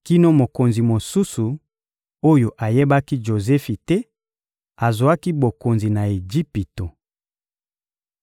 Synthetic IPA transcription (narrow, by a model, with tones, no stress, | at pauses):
ki˦no˦mo˨ko˨nzi˨mo˨su˦su˨ | o˦jo˨ʔa˨je˦ba˦ki˦ʒo˨zɛ˦fi˨tɛ˦ | a˨zwa˦ki˦bo˨ko˨nzi˨na˨e˨d͡ʒi˦pi˨to˨